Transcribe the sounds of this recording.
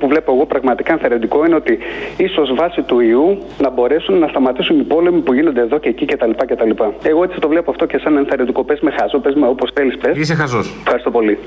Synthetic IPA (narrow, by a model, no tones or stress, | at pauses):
puvle̞po̞eɣo̞pɾɐɣmɐt̪ikɐenθeɾed̪iko̞ine̞o̞t̪iiso̞zvɐsit̪uiu | nɐbo̞ɾe̞sunːɐst̪ɐmɐt̪isunipo̞le̞mipuʝino̞nd̪e̞ðo̞ce̞ːcice̞t̪ɐlipɐce̞t̪ɐlipɐe̞ɣo̞e̞t͡siɐt̪o̞vle̞poɐft̪o̞ce̞sɐnenθeɾend̪iko̞pe̞zme̞xɐsopezmeopo̞sθe̞lispɾezisexɐsosefxɐɾist̪opo̞li